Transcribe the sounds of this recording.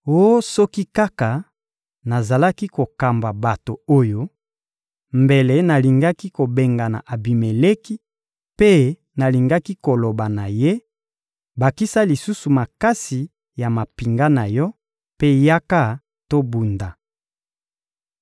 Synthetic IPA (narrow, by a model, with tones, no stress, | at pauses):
o˦o˦sɔ˦ki˦ka˦ka˨ | na˨za˨la˦ki˦ko˨ka˨mba˨ba˨to˨o˦jo˦ | mbe˨le˨na˨li˨ŋɡa˦ki˦ko˨be˨ŋɡa˨na̰˨ʔa˨bi˨me˨le˦ki˦ | pe˦ | na˨li˨ŋɡa˦ki˦ko˨lo˨ba˨na˨je˦ | ba˨ki˦sa˦li˨su˦su˨ma˨ka˦si˨ | ja˨ma˨pi˨ŋɡa˦na˨jɔ˦ | pe˦ja˦ka˦ | to˦bu˨nda˨